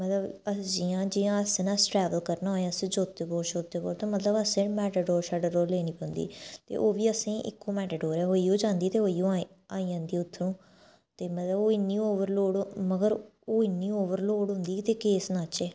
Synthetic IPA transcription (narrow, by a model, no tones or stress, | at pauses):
mət̪ləbəd͡ʒijãːd͡ʒiːãːəsẽːnãsʈɾɛːʋəlkəɾnaːɦoːjãːsĩːd͡ʒoːt̪eːboːɾʃoːt̪eːpo̰ːɽt̪ãːmət̪ləbəsẽːmɛːʈəɖoːɾsaːɖaɾoːɾleːñiːpɛ̃ːnd̪ḭːt̪ḛːʔoːʋiːəsĩːʔɪ̰kːõːmɛːʈəɖoːɾɛːɦoːiːoːd͡ʒãːnd̪iːt̪eːɦoːiːõː | aːiːãːnd̪iːʊt̪ʰːəɾũː | t̪eːmət̪ləboːɪnːiːoːʋəɾloːɽməɡəɾoːɪnːiːoːʋəɾloːɽɦʊ̃nd̪iːt̪eːkeːsnaːt͡ʃeː